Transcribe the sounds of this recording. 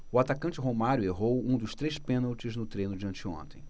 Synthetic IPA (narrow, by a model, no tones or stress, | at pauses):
ʊat̪akɐ̃nt͡ʃɪɦomaɾjʊeɦowũd̪ʊst̪ɾejspẽnawt͡ʃɪznʊt̪ɾẽjnʊd͡ʒiɐ̃nt͡ʃɪõ̰nt̪ẽj̃